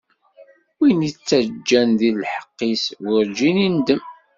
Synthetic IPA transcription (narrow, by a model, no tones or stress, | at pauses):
winit͡sːæd͡ʒːænðillħə̥qːiswəɾd͡ʒinind̪əm